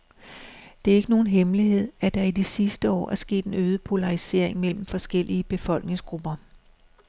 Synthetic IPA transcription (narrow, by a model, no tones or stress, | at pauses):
d̥e̝æe̝ɡ̥əno̝ːn̩ɦemliɦe̝ð̞̰ˠæɐd̥æid̥isisd̥əɒ̰ːʔæɐsɡ̥e̝̰ːd̥e̝nøːð̞ˠəpʰo̝lɑ̈ʁise̝ɐ̰eŋmel̰m̩fɒ̽sɡ̥el̰iəb̥e̝fɒ̽l̰ɡ̥ne̝ŋsɡ̥ʁub̥ɐ